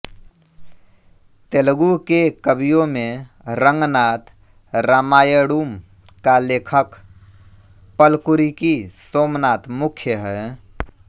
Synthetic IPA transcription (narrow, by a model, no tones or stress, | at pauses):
t̪elɡukekəbijõmẽ | ɾəŋɡnat̪ | ɾaːmaːjəɽuːm | kalekʰək | pəlkuɾikisoːmnaːt̪mukʰjəɦɛ